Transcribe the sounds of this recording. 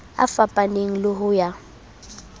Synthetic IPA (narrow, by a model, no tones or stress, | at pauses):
a̰fapʼaneŋ̩lʊɦʊja